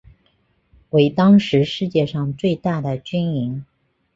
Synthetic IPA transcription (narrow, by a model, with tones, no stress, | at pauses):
we˧˥ɪt̪ɑ˥ŋʂɻ̩˧˥ʂɻ̩˥˧t͡ɕjɛ˥˧ʂɑ˥˧ŋt͡swe˥˧ɪt̪a˥˩d̪ə˩t͡ɕy˥ni˧˥ŋ